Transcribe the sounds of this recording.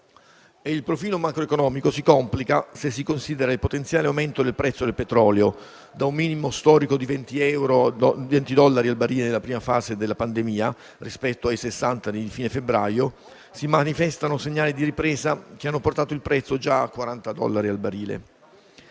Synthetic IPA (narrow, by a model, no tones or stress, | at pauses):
eilpɾofiːlomakɾoekonɔːmikosikɔmplikasesːikonsid̪eɾailpot̪ent̪sjaːleawment̪od̪elpɾɛt̪sːod̪elpet̪ɾɔːleo | d̪aumːiːnimost̪ɔːɾikod̪ivɛnt̪iɛwɾovɛnt̪id̪ɔlːaɾialbaɾiːlenelːapɾiːmafaːzed̪elːapand̪emiːa | rispɛt̪ːoajsesːant̪aned̪fiːnefebːɾaːjo | simanifɛst̪anoseɲːaːlid̪iɾipɾeːzak̟eanːoport̪aːt̪oilpɾɛt̪sːod͡ʒakːwaɾant̪ad̪ɔ̰lːaɾialbaɾiːlḛ